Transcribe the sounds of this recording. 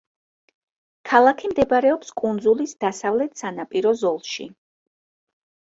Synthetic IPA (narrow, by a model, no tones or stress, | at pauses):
kʰalˠakʰimd̪ɛbaɾɛɔpskʼund̪zulisd̪̥asavlɛt̪ʰsanapʼiɾɔzɔlˠʃḭ